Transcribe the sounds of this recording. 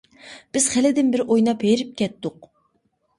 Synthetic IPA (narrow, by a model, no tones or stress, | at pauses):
b̥ɪz̥χælɪd̪ɪnbɪɾojnɑbejɾɪp̚kʲɛt̪ːʊq